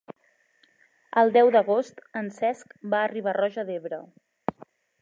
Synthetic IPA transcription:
əlˠd̪ɛwd̪əɣost̪ənsɛskbaːriβ̞arɔʒəðeβɾə

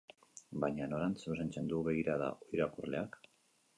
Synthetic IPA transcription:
bajɲano̞ɾansus̬ent͡se̞nd̪uβe̞ɣ̞iɾaða̰ʔo̞iɾakurle̞̰ak

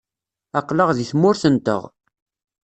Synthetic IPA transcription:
ɑqləʁðiθmʊɾθənt̪ə̰ʁ

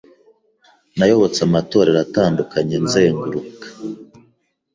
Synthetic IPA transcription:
najo̞βo̞t͡samato̞ːɾeɾataːndukʰaɲenzeːŋɡuɾukḁ

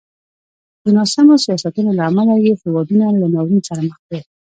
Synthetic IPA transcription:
d̪unasamosijɑsat̪unolaːmalajehɪwɑbinalanawɾinsaɾaməxd̪a

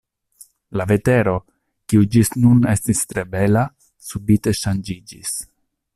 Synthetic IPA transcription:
lave̞te̞ɾo̞ | kiud͡ʒisnune̞stistɾe̞be̞la | subite̞ʃand͡ʒid͡ʒis

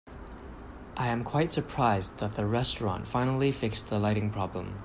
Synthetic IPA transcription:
ʔaɪə̃mkʰw̥aɪtsəpʰɹ̥aɪzðət̪̚ðəɹɛstɹɑ̰̃ntfãɪ̃nl̩ˠifɪksðəlaɪɾɪ̃ŋpʰɹ̥ɒblə̰̃m

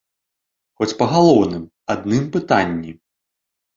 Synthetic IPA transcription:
xɔt͡sʲpɐɣalˠɔwnɨm | ad̪̚nɨmpɨt̪anʲːi

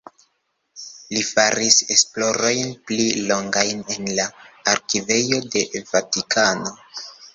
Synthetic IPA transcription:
lifaɾise̞splo̞ɾo̞jnplilo̞ŋɡajne̞nlaːɾkive̞jo̞de̞vatikʰano̞

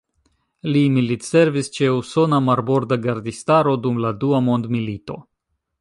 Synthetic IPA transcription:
limilitse̞ɾvist͡ʃe̞uso̞namaɾbo̞ɾdaɡaɾd̪istaɾo̞dumladuamo̞nd̪milito̞̰

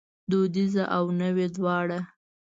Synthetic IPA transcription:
d̪od̪izaʔawnəwed̪wɑɽa

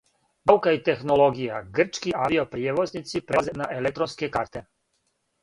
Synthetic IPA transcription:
baukait̪exnoloɡijaɡr̩t͡ʃkiʔaʋiopɾijeʋoznit̪sipɾezenaʔelek̚t̪ɾonskekaɾt̪e

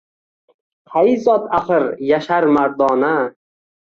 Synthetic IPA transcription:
qʰajzɒt̪ʰaχɨɾjaʃaɾmaɾd̪ɒːna

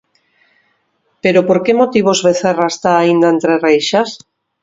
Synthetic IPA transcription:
peɾopoɾkemot̪iβ̞ozβeθeraest̪aːind̪aent̪ɾerejʃas

